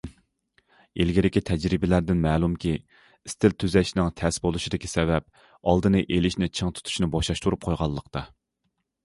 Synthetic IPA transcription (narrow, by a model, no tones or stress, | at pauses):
elɡʲiɾɪkʲit̪ʰɛd͡ʒɾɪbɪlæɾd̪ɪnmɛːlˠumkʲʰi | ɪst̪ʰɪlt̪ʰyzɛʃnɪŋt̪ʰɛsbolˠuʃid̪ɪkʲi̥sɛvɛp̚ | ɑlˠd̪ɨnɨʔelɪʃnɪt͡ʃʰəŋt̪ʰu̥t̪ʰu̥ʃnɨbɑʃɑʃt̪uɾup̚qʰojʁɑlˠːəqt̪ɑ